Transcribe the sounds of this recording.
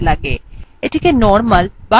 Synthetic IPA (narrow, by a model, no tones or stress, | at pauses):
ləɡeːɪʈʰikenɔːɾməlba